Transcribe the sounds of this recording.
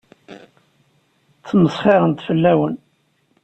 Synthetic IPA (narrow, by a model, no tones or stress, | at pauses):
t̪ːməsˤχɪɾənt̪fəlːæwən